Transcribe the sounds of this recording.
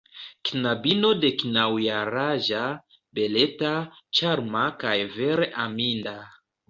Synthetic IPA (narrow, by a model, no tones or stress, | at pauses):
kinabino̞de̞kinawjaɾaʒa | be̞le̞tat͡ʃaɾmakajve̞ɾeʔaminda